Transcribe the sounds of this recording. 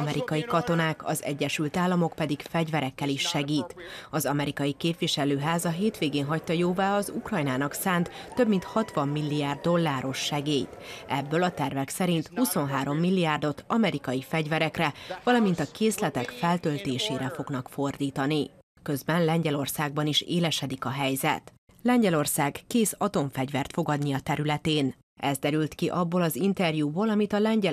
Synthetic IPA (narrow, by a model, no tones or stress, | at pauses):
mɛɾikɒjikɒt̪o̞naːkɒ̰zɛ̰ɟːɛʃylt̪aːlːɒmo̞kpɛd̪ikfɛɟvɛɾɛkːɛliʃːɛɡiːt̪ɒzɒmɛɾikɒjikeːpʋiʃɛløːɦaːzɒɦeːt̪ʋeːɡeːnɦɒct̪ɒjoːvaːɒzukrɒjnaːnɒksaːnt̪ːø̞bmint̪hɒt̪ʋɒmːilːijaːrd̪ːo̞lːaːɾo̞ʃːɛɡeːjt̪ɛbːølɒt̪ɛrvɛksɛɾint̪huso̞nɦaːɾo̞mːilːijaːrd̪o̞t̪ɒmɛɾikɒjifɛɟvɛɾɛkrɛvɒlɒmint̪ɒkeːslɛt̪ɛkfɛlt̪ø̞lt̪eːʃeːɾɛfo̞ɡnɒkfo̞rd̪iːt̪ɒni | kø̞zbɛnlɛɲɟɛlo̞rsaːɡ̚bɒniʃeːlɛʃɛd̪ikɒɦɛjzɛ̰t̪ | lɛɲɟɛlo̞rsaːɡkeːsɒt̪o̞ɱfɛɟvɛrt̪fo̞ɡɒd̪niɒt̪ɛɾylɛt̪eːn | ɛzd̪ɛɾylt̪kiʔɒbːoːlɒzint̪ɛrjuːboːlɒmit̪ɒlɛɲɟɛ